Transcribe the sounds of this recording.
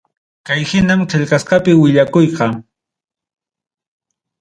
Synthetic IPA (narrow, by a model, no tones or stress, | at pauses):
kajhɪnamt͡ʃɪʎqɑsqɑpɪwɪʎakʊjqɑ